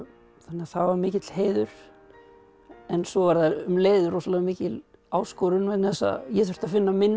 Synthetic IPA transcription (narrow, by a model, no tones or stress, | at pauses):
θanːɪaθawvaɾmɪːcɪt̪lɦeːjðʏɾ̥ | ɛnsɔvaɾðaðʏmleːjðʏɾɔsalɛːɣamiːcɪl | aːwskɔːɾʏnvɛnθɛsːa̰jɛθœ̥t̪afɪnːamɪn